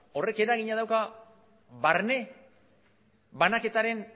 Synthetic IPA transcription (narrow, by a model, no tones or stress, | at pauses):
o̞re̞ke̞ɾaɣiɲaðawka | βaɾne̞ | βanake̞t̪aɾe̞n